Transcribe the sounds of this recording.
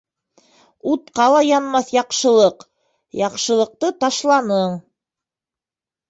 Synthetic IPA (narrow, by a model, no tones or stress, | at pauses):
ut̪qɑlˠɑjɑnmɑθjɑqʃɤ̆lˠɤq | jɑqʃɤ̆lˠɤ̆q̚t̪ɤt̪ɑʃlˠɑnɤɴ